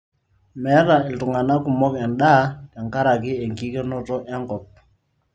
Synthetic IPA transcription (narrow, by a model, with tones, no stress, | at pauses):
mɛ˨˦ɾa˨ɛ˨ltu˨ŋa˨na˦ku˨mɔ˦kɛ˨nɗa˦kɛ˨ŋka˦ɾa˨kɪ˦ɛ˨ŋki˦kɛ˦nɔ˦tɔ˦ʔɛ˦ŋkɔ˨p̚